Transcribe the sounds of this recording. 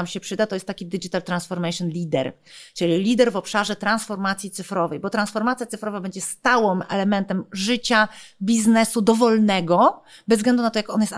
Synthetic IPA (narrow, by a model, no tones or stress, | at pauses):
amɕɛpʂɘd̪at̪ɔjɛst̪ːakʲid̪ɘd͡ʒit̪alt̪ɾansfɔɾmɛɕɔnlʲid̪ɛ̰ɾ | t͡ʂɘlʲilʲid̪ɛɾvɔpʂaʐɛt̪ɾansfɔɾmat̪sʲjit̪sɘfɾɔvɛjbɔt̪ɾansfɔɾmat̪sjat̪ɨfɾɔvabɛɲd͡ʑɛst̪awɔmɛ̰lɛmɛnt̪ɛmʐɘt͡ɕabʲiznɛsud̪ɔvɔlnɛɡɔbɛzɡlɛnd̪unat̪ɔjakɔnjɛst̪